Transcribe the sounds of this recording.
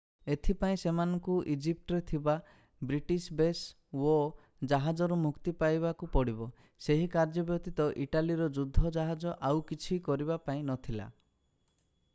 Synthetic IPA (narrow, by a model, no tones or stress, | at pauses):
et̪ʰipaĩsemanɔŋkuʔid͡ʒip̚ʈɔɾet̪ʰiba | bɾiʈisbes | o | d͡ʒaɦad͡ʒɔɾumukt̪ipajβakupɔɽibɔ | seɦikaɾd͡ʒɔbjɔt̪it̪ɔʔiʈaliɾɔd͡ʒud̪ʱːɔd͡ʒaɦad͡ʒɔʔawkit͡ʃʰikɔɾibapaĩnɔt̪ʰila̰